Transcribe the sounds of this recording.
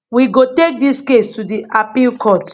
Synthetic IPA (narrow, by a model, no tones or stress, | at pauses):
wiɡotek̚diskestudiʔapilkʰɔt